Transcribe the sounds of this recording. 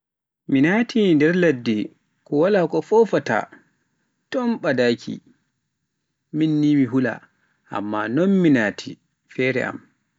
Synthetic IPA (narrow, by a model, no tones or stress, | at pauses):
minaːtʰindɛɾladːi | kɔwalakɔfɔfata̰ | tɔnɓadakʰḭ | minːimiɦula̰ | ʔa̰mːanɔnminaːtʰi | fɛɾɛ̰ʔa̰m